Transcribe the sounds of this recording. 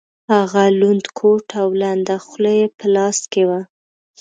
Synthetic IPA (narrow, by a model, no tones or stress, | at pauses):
haɣalund̪kʰoʈʰawland̪axləjepəlɑskewa